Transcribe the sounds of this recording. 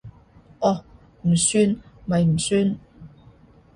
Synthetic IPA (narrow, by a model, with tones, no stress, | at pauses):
ʔɔː˨˩ | m̩˨˩syː˥nmɐ˨jm̩˨˩syː˧˥n